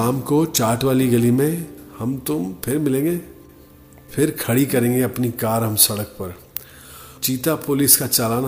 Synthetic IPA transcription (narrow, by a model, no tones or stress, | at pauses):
aːmkot͡ʃaːɾʈʋaːliɡɐlimẽhɐmt̪ʊmpʰɪɾmɪlẽːŋɡeː | pʰɪɾkʰɐɽikɐɾẽːŋɡeɐpnikaːɾɦɐ̃msɐɽəkpɐɾ | t͡ʃiːt̪apʊlɪskat͡ʃaːlaːn